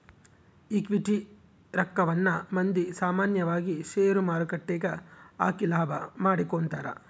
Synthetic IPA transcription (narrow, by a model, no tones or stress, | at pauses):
ikʋiʈi | ɾɐkːɐʋɐnːɐmɐnd̪isaːmaːnjɐʋaːɡiʃeːɾumaːɾukɐʈːɛːɡɐa̰ːkilaːbʱɐmaːɽikoːnt̪aːɾɐ̰